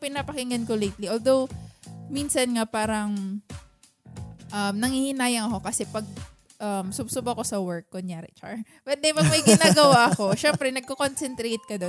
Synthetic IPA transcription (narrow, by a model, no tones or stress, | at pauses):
pɪnapɐkɪŋɐnkolejt̪liʔold̪o̞wmiːnsɐnŋapaːɾɐŋ | ʔɐmnɐŋhihɪnaːjɐŋɐko̞kɐsɛpɐɡ̚ | ʔɐmsʊbsʊbɐko̞sɐwɛɹk̚ːʊnjaɾɛ̰t͡ʃa̰ɹ | bɐt̪̚d̪ɛmɐɡ̚mɐjɡɪnaːɡɐwaʔɐko̞ʃɛmpɾɛnɐɡ̚kokonsɛnt̪ɾejt̪̚kɐd̪o̞n